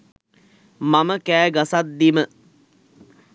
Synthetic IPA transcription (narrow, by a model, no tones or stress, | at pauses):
maməkæːɡasat̪̚d̪imə